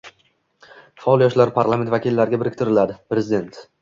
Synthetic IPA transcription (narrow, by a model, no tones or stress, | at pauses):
faɒlˠjɒʃlaɾpʰaɾlˠament̪vakʲilːaɾɡʲabɪɾɪkʲt̪ʰɪɾɪlad̪ɪpɾezɪd̪e̞nt̪